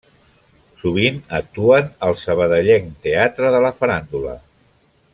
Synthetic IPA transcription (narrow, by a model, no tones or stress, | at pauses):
suβ̞inək̚t̪uənəlˠsəβ̞əðəʎɛŋt̪eat̪ɾəðələfəɾand̪ulə̰